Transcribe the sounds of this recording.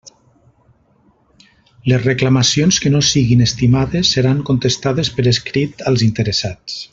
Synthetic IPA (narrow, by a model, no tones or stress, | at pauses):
lezreklamasionskənosiɣinest̪imaðesːeɾaŋkont̪əst̪að̞espəɾeskɾit̪alˠzint̪əɾesat͡s